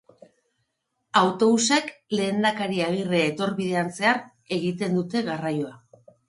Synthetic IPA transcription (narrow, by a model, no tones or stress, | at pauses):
awt̪o̞βuse̞kle̞ːnd̪akaɾiaβireːt̪o̞ɾβiðe̞anse̞aɾ | e̞ɣit̪e̞nd̪ut̪e̞ɣarajo̞a